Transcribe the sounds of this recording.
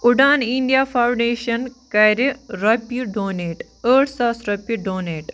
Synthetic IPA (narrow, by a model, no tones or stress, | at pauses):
uɖaːniɳɖjafawɳɖeːɕɐnkɐjɾiɾɐpːiɖoːneːʈ | əːʈsasɾɐpːiɖoːneːʈ